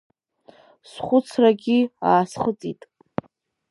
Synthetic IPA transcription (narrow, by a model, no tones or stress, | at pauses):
sχʷʊt͡sʰraɡʲiaːsχət͡sʼitʼ